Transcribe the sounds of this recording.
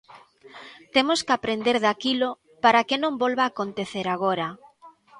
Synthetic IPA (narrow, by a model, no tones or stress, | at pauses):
t̪emoskapɾend̪eɾðakilo | paɾakenõmbolβaːkont̪eθeɾaɣ̞oɾa